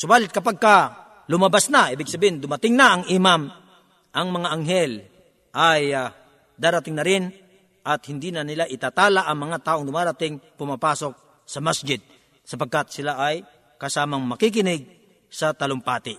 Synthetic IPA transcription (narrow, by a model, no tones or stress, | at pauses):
sʊbaːlɪt̪̚kɐpaɡ̚kɐ | lʊmɐbasnɐʔiːbɪɡ̚sɐbiːɪnd̪ʊmɐt̪ɪŋnɐɐŋɪmam | ʔɐŋmɐŋaʔɐŋɦɛl | ʔaja | d̪aːɾɐt̪ɪŋnɐɾɪn | ʔɐt̪hɪnd̪inɐnɪlaʔɪt̪aːt̪aːlaʔɐŋmɐŋat̪aːʔoŋd̪ʊmaːɾat̪ɪŋpʊmapaːsok̚ | sɐmasd͡ʒɪd̪̚ | sɐpɐɡ̚kat̪sɪlaʔaj | kɐsaːmɐŋmɐkikɪnɪɡ̚ | sɐt̪ɐlʊŋpaːt̪ɪ